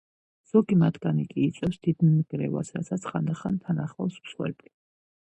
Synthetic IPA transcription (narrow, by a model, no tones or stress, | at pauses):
z̥ɔɡimat̪ʰɡ̥anikʼiːt̪sʼɛsd̪̥id̪nmɡɾɛ̰va̰sɾa̰sʰat̪sʰχand̪aχant̪ʰanaχlasmswɛ̰bli